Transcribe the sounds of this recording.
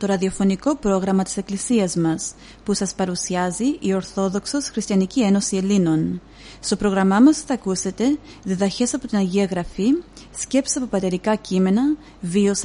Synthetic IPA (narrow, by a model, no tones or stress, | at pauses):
t̪o̞ɾɐðio̞fo̞niko̞pɾo̞ɣɾɐmɐt̪i̥se̞klisiɐzmɐs | pusɐspɐɾusiɐziʔio̞ɾθo̞ðo̞kso̞sxɾist̪çɐnicie̞no̞sie̞lino̞n | st̪o̞pɾo̞ɣɾɐmɐmɐsθɐkuse̞t̪e̞ | ðiðɐçe̞sɐpo̞t̪inɐʝiɐɣɾɐfi | sce̞psi̥ɐpo̞pɐt̪e̞ɾikɐcime̞nɐ | vio̞s